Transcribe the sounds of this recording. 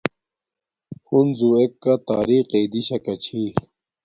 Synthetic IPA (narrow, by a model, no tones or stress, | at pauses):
hunzuekːat̪aːɾiqed̪iɕɐkɐt͡ɕʰi